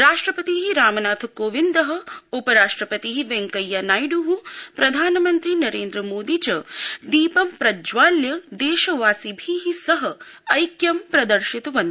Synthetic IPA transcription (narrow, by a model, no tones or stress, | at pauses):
ɾaːʂʈɾɐpɐt̪iɦiɾaːmɐnaːt̪ʰkoːʋind̪ɐɦɐ̆upɐɾaːʂʈɾɐpɐt̪iɦiʋeŋkɐjːanaːjɖuɦupɾɐd̪ʱaːnɐmɐnt̪ɾinɐɾeːnd̪ɾɐmoːd̪it͡ʃɐd̪iːpɐmpɾɐd͡ʒʋaːljɐd̪eːʃɐʋaːsibʱiɦisɐɦɐɐjkjɐmpɾɐd̪ɐɾʃit̪ɐʋɐnd̪